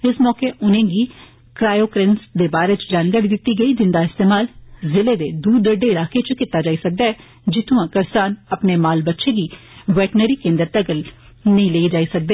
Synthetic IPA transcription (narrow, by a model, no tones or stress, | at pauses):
ɪsmɔːkeːʔʊnẽːɡiː | kɾaːjoːkɾɪnsd̪eːbaːɾeːt͡ʃd͡ʒaːnɡaːɾid̪ɪt̪ːiːɡəiːd͡ʒɪnd̪aːɪst̪eːmaːlzɪleːd̪eːd̪uːd̪əɖeːɪlaːkʰet͡ʃkɪt̪ːaːd͡ʒaːiːsək̚d̪aːɛː | d͡ʒɪt̪ʰũːãːkəɾsaːnəpneːmaːlbətːʃʰeːɡiːʋɛːʈnəɾiːkẽːnd̪əɾt̪əɡəl | nəĩːleːid͡ʒaːisək̚d̪eː